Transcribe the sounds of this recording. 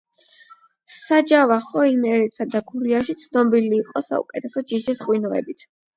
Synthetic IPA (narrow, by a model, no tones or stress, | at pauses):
sad͡ʒavaχɔinɛɾɛt̪sad̪aɡuɾiaʃit̪sʰnɔbiliːqʼɔsa̰ṵkʼɛt̪ʰɛsɔd͡ʒiʃisχwinɔɛ̰bit̪ʰ